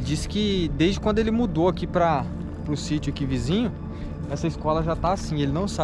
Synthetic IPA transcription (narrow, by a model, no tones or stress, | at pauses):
lɪd͡ʒisɪ̥kɪd̪ezd͡ʒɪkw̪̃d̪ʊelɪmud̪oakipɾɐ | pɾʊsit͡ʃʊakivizĩɲʊ | ɛsɐiskɔlɐʒat̪aasĩelɪnɐ̃w̃sa